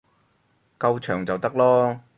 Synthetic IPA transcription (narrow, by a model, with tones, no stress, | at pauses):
kɐ˧wt͡ʃʰœː˨˩ŋt͡sɐ˨wt̪ɐ˥k̚lɔː˥